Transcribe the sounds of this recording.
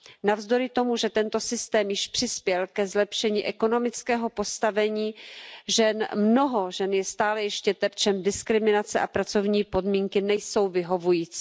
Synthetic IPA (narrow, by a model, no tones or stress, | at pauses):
navzdo̞ɾɪt̪o̞muʒɛt̪ɛnt̪o̞sɪst̪ɛːmjɪʃpr̥ɪspjɛlkɛzlɛpʃɛɲiːʔɛko̞no̞mɪt͡skɛːɦo̞po̞st̪avɛɲiːʒɛnmno̞ɦo̞ʒɛnjɛst̪aːlɛjɛʃcɛt̪ɛɾt͡ʃɛmdɪskɾɪmɪnat͡sɛʔapɾat͡so̞vɲiːpo̞dmiːŋkɪnɛjso̞wvɪɦo̞vujiːt͡si